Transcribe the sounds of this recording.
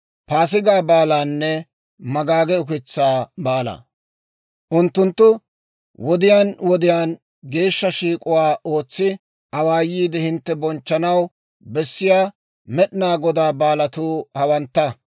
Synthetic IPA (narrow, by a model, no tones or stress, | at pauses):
paːs̬ɪɡaːbaːlaːnːɛ | mɐɡaːɡɛʊk̬ɪt͡sːaːbaːlɐ̰ | ʔʊnt̪ːʊnt̪ːʊ | wɔd̪ɪjaːnwɔd̪ɪjaːn | ɡe̞ːʃːɐʃiːkʼʊwaːʔo̞ːt͡sːɪ | ʔɐwaːjːiːd̪ɛhɪnt̪ːɛbɔnt͡ʃːɐnɐw | bɛsːɪjaː | mɛɗɪnaːɡɔd̪aːbaːlɐt̪uːhɐwɐnt̪ːɐ